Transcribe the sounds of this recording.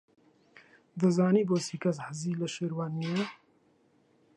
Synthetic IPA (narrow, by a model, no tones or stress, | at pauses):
d̪ɨzɑːniːboːsiːkʰɐs̬həziːləʃeːɾwaːnnije